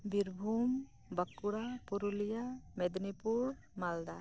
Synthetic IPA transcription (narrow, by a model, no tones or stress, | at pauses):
biɾbʱuːm | bəkːuɽapuɾulijamed̪nipuɽ | mald̪aː